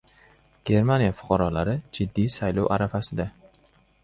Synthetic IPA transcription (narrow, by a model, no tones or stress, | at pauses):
ɡ̥ʲe̞ɾmanijafʊ̥qʰɑɾɒlaɾɪd͡ʒɪd̪ːijsajlɒwʔaɾafasɪd̪a